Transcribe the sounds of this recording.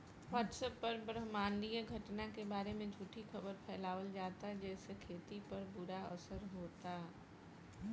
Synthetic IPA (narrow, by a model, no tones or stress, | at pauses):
ʋaːʈsəpːɐɾbɾəɦmaːnlieɡʱɐʈnakebaːɾemẽd͡ʒʱuːʈixɐbəɾpʰɛːlaːʋəld͡ʒaːt̪ad͡ʒɛːsekʰeːt̪ipɐɾbʊɾaɐ̰səɾɦoːt̪aː